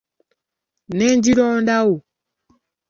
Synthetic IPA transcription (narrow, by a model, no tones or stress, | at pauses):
nɛnd͡ʒiɾɔːndau